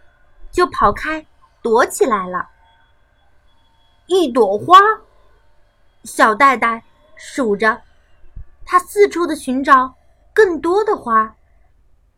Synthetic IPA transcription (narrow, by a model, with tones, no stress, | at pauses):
t͡ɕjo˥˩ʊpʰɑ˨˩ʊkʰa˥ɪ | t̪wɔ˧˥t͡ɕʰi˨˩la˧˥ɪlə̰˧ | i˥˩t̪̬wɔ˨˩xwa˥ | ɕjɑ˨˩ʊt̪̬a˥˧ɪt̪a˥˩ɪ | ʂu˨˩ʈ͡ʂə˦ | t̪ʰa˥sɹ̩˥˧ʈ͡ʂʰu˥d̪ə˨ɕy˧˥nʈ͡ʂɑ˨˩˦ʊ | kɤ˥˩ŋt̪wɔ˥d̪ə˨xwa˥